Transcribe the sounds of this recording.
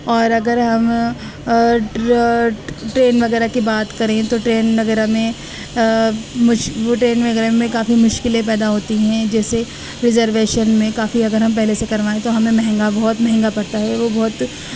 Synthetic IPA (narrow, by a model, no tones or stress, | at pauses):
ɔːɾɐɡəɾɦɐm | ʈɾeːnʋɐɣɛːɾakibaːt̪kɐɾẽt̪oʈɾeːnʋɐɣɛːɾamẽ | mʊʃʋoʈɾeːnʋɐɣɛːɾemẽkaːfimʊʃkɪlẽp̬ɛːd̪aɦoːt̪iɦɛ̃d͡ʒɛːse | ɾɪzəɾʋeːʃənmẽkaːfiɐɡəɾɦɐ̃mpɛɦlesekɐɾʋaːẽt̪oɦɐmẽmɛɦɛ̃ŋɡabɔɦʊt̪mɛɦɛ̃ŋɡapɐɽt̪aɦɛʋobɐːʊt̪